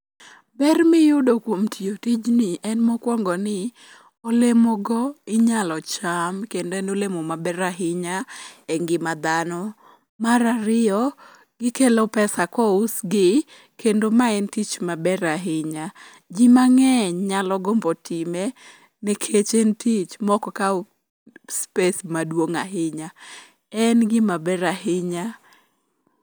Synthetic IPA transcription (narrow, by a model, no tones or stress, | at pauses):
bɛrmɪjʊdokwomtʰiotid͡ʒnɪʔɛnmɔkwɔŋɡɔnɪ | ɔlemɔɡɔɪɲalɔt͡ʃamkendoɛnolemomabɛɾaɦɪɲaɛŋɡɪmad̪anɔ | maɾaɾɪɔ | ɡɪkelopɛsakɔusɡɪ | kendomaɛntit͡ʃmabɛɾaɦɪɲa | d͡ʒimaŋɛɲɲalɔɡɔmbɔtʰime | nɛkʰet͡ʃentʰit͡ʃmɔkɔka | spesmadwoŋaɦɪɲa | ɛnɡɪmabɛɾaɦɪɲa